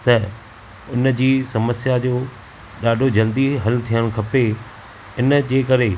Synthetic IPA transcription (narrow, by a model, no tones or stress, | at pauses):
t̪ɐ | ʊnd͡ʑiːsɐməsjad͡ʑoː | ɗaːɖʱod͡ʑɐld̪iɦɐlt̪ʰijəɽ̃kʰɐpe | ɪnd͡ʑeːkɐɾe